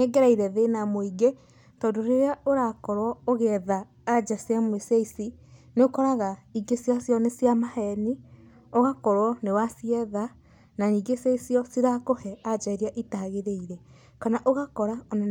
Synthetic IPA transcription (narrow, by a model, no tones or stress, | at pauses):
ɛɡɛɾaiɾɛðenamoiɡe | tɔːndoɾeɾeaoɾakɔɾwɔoɣɛðaː | d͡ʒasiamwesaisineokɔɾaɣaiɡesjasjɔnesjamahɛni | oɣakɔɾwɔnewasiɛða | naniːɡeseisiɔsiɾakohɛad͡ʒaeɾiaʔitaɣeɾeiɾɛ | kanaʔoɣakɔɾaona